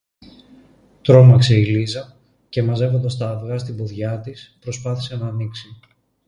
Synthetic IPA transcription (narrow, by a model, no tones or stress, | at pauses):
t̪ɾo̞mɐkseilizɐ | ce̞mɐze̞vo̞nd̪ɐst̪ɐːvɣɐst̪ibo̞ðʝɐt̪ispɾo̞spɐθi̥senɐːniksi